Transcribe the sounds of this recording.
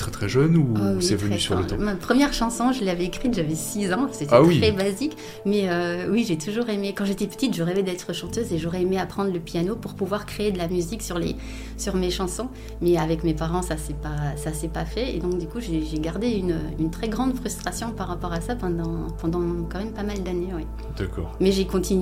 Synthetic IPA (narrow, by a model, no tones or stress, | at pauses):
t̪χɛt̪χɛʒœnuawsiɛvənysyʁ̃lət̪ɔ̰̃mapχəmjɛʁʃɑ̃sɔ̃ʒəleavɛekχit̪ʒavɛsizɑ̃set̪wiχɛbazik | mɛøwiʒet̪uʒuʁemekɑ̃ʒet̪ɛpə̥t̪it̪ʒəʁɛvɛd̪ɛt̪χəʃɑ̃t̪øzeʒoʁɛemeapχɑ̃d̪ʁləpjanopuʁpuvwaʁkχeed̪əlamyziksyʁlḛ | syʁmeʃɑ̃sɔ̃ | mɛavɛkmepaʁɑ̃sasɛpasasɛpafɛḛd̪ɔ̃k̚d̪ykuʒeʒeɡaʁd̪eynøynt̪χɛɡʁɑ̃d̪fχyst̪χasjɔ̃paʁːapɔʁasapɑ̃d̪ɑ̃pɑ̃d̪ɑ̃kɑ̃mɛmpamald̪anewɛ | d̪̥akɔ̰ːʁmɛʒekɔ̃t̪in